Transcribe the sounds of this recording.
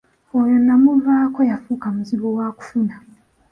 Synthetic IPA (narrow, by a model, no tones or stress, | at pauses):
ojonamuvaːko̞jafukamuziβowaku̥funa